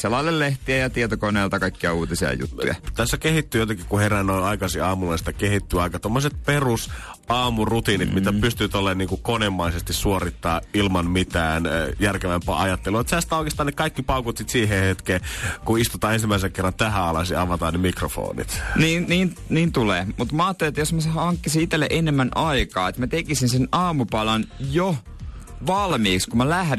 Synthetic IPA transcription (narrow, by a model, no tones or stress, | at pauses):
selːɑilelleht̪iejɑt̪iet̪okoneːlt̪ɑkɑikːiɑuːt̪isiɑ̰jṵt̪ːṵjɑ̰t̪æsːækehit̪ːyːjot̪ɑkikkuherænoiɑikɑsiɑːmulɑst̪ækehit̪ːyːɑikɑt̪omːoset̪̚perus | ɑːmurut̪iːnit̪mit̪ːæpyst̪yæt̪olːeːnniːŋkukonemːɑisest̪issuorit̪ːɑːilmɑnmit̪æːnjærkeʋæmpæ̰ːʔɑjɑt̪ːeluet̪sæsi̥t̪æoikest̪ɑːnekɑikːipɑˑukut̪sit̪siːɦehet̪keːkuist̪ut̪ɑːensimːæˑisekerːɑnt̪æhæɑlɑsiɑʋɑt̪ɑːnemikrofo̰ːnḭt̪niːnniːnniːnt̪uleːmut̪mɑːt̪ːeliet̪ːjosmæsɑŋkːisiit̪elːeʔenemːænʔɑikɑːet̪mæt̪ekisinsenɑːmupɑlɑnjo | ʋɑlmiːkskumælæhɾ